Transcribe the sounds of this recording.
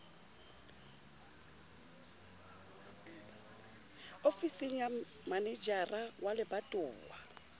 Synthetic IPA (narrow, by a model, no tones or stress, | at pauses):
ofisiŋ̩jamanɛd͡ʒarawalɪbatʼʊːwa